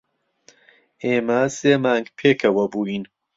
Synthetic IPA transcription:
eːmɐseːmaːŋɡpʰeːkʰɐwɐbuːiːn

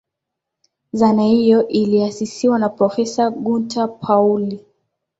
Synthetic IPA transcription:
zanahijɔʔiliasisiwanapɾɔfɛsaɡuntʰapʰauli

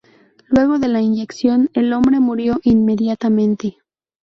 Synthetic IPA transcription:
lwe̞ɣo̞ðe̞lainɟe̞ksjo̞ne̞lo̞mbɾe̞muɾjo̞ʔinme̞ðjat̪amẽ̞nt̪e

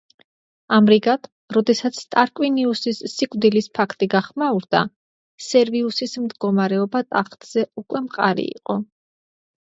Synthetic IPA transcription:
amɾiɡad̪̥ | ɾɔd̪ɛsat̪sʰt̪ʼaɾkʼwiniusisːikʼvd̪ilispʰakʰt̪ʼiɡaχmauɾd̪̥a̰ | sɛɾviusismd̪ɡɔmaɾɛɔbat̪ʼaχt̪ʼz̥ɛukʼwɛmqʼa̰ɾḭḭqʼɔ

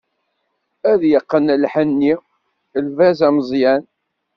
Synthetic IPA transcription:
æðjəqːənlħənːi | lvæzæməzˤjæn

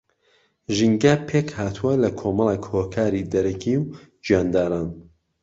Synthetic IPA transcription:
ʒiŋɡaːpʰeːkhaːt̪ʰuwɐlɐkʰomɑlˠekhoːkʰaːɾid̪ɐɾɐkʰiw | d͡ʒijaːnd̪aːɾaːn

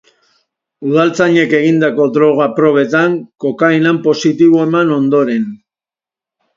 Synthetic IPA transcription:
uðalt͡saɲe̞ke̞ɣind̪ako̞d̪ɾo̞ɣ̞apɾo̞β̞e̞t̪aŋko̞kajnampo̞sit̪iβoe̞mano̞nd̪o̞ɾe̞n

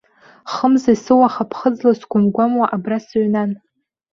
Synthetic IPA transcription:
χəmzasɨwaχapʰχəd͡zlasɡʷʊnɡʷamwaʔabrasɥnan

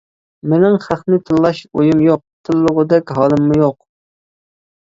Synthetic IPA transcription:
mɪnɪŋχæχnɪt̪ʰɨlˠːɑʃojumjoq̚t̪ʰɨlˠːʊʁʊd̪ɛkʲɦɑːlˠɨmːujoq

